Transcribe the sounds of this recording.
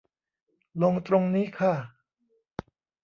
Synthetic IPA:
lo˧ŋt̪ɾo˧ŋniː˦˥kʰa˥˩

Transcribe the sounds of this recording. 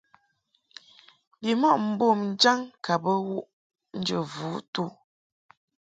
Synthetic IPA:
bi˨mɔ˦˨ʔm̩˨bo˦˨mn̩˦d͡ʒa˦ŋka˨bə˦wu˦ʔ | n̩˦d͡ʒə˨vu˨˦tu˦˨

